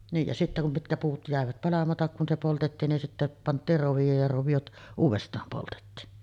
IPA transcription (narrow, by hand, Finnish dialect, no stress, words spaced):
niːj jɑ sitːæ kum mitkæ puːt jæˑeʋæt pɑlɑmɑtɑk kun se poltetːiːn nin sitːæ pɑntˑiːr roʋijoːj jɑ roʋijot uːʋestˑɑːm poltetːiːn